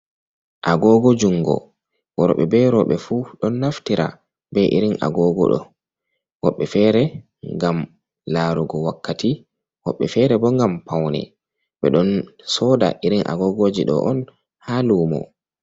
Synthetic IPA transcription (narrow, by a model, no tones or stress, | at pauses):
ʔaɡɔɡɔd͡ʒuŋːɡɔ̰ | wɔɾɔ̰ɓɛbɛɾɔɓɛfuɗɔnːaftiɾa̰ | bɛʔiɾina̰ɡɔɡɔ̰ɗɔ̰ | wɔɓːɛfɛːɾɛ | ŋɡam | laɾuɡɔwakːati | wɔ̰ɓːɛfɛɾɛbɔŋɡampawnɛ̰ | ɓɛ̰ɗɔnsɔda̰ʔiɾinʔa̰ɡɔɡod͡ʒiɗɔ̰ʔɔn | haluːmɔ̰